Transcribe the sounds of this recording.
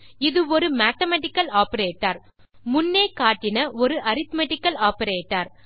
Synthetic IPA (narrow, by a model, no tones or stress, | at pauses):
ɪðɯɔɾɯmaːt̪ɐmɐʈɪkːɐlaːpɐɾeːʈːɐɾ | mʊnːeːkaːʈːɪnɐʔɔɾɯʔɐɾɪt̪mɐʈːɪkːɐlaːpɐɾeːʈːɐɾ